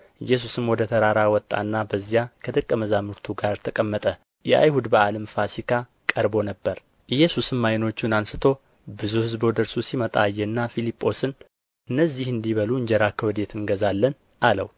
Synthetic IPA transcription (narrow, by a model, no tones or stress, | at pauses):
ɨjːɛs̬usɨnwɔd̪ət̪ʰəɾaɾawɔt̪ʼːa̰nːabəzːijakʰəd̪ɨkʼːəməzamɨɾt̪ʰuɡaɾt̪ʰəkʼəmːət̪ʼə | jɛʔa̰jhud̪bəaləmfasikʰa | kʼəɾbo̞nəbːəɾ | ʔɨjɛsusɨnmajno̞t͡ʃːunansɨt̪ʰo̞ | bɨzuhɨzbod̪əɾsusimət̪ʼa̰jːɛnːafilipʼːo̞sɨn | ɨnːəzːihɨnd̪iβəluɨɲd͡ʒɛɾakʰəwɔd̪e̞t̪ʰɨnɡəzalːən | ʔalə̰w